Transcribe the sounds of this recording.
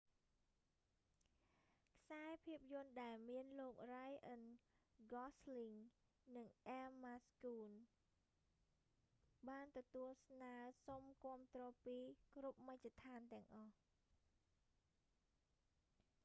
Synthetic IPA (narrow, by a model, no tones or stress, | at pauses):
kʰsaɛpʰiəp̚jʊ̆ənɗaɛlmiənloːk̚rajʔənɡɑsliŋ | nɨŋʔɛlmaskuːn | ɓaːnt̪ɔt̪uəlsnaəsomkŏəmt̪rɔːpiːkrup̚mac̚tet̪ʰaːnt̪ɛ̆əŋʔɑh